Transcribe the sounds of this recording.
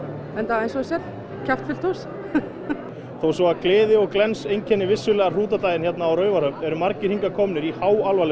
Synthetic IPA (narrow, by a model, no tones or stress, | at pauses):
ɛnt̪aðejnsɔsɛ | cʰaft̪fɪl̥t̪ʰɔs | θowsɔaklɪːðɪɔɣklɛnsejncʰɛnːɪvɪsːʏlɛːɣar̥uːt̪at̪aːjðɪnçjɛt̪naːwɾœːɥvaɾœmt̪ɛɾʏmaɾcɪɾ̥iŋkakʰɔmnɪɾihawalvalɪ